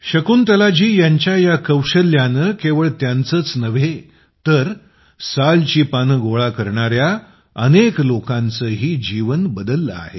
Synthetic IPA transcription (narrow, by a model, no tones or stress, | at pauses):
ɕəkuːnt̪əlad͡ʑiːjaɲt͡ɕjajakəwɕəljanəkeʋəɭt̪jant͡səːt͡snəʋe | t̪əɾ | salt͡ɕiːpanəɡoɭakəɾɳaɾja | əneklokãnt͡səɦiːd͡ʑiʋənbəd̪əlːəa̰ɦe